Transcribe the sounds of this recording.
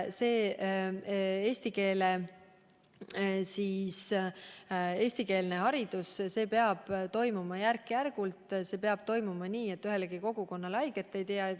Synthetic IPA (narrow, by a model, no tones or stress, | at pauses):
se̞ː | e̞ːst̪ike̞ːle | siːs | e̞ːsʲt̪ike̞ːlneɦɑɾid̪̥usse̞ːpeɑb̥t̪o̞jmumɑjærkːjærɡ̥ult̪ˑse̞ːpeɑb̥t̪o̞jmumɑniːe̞t̪ːyɦe̞lɡiko̞ɡ̥uko̞nːɑlɑjɡ̥et̪ːˑejt̪eɑe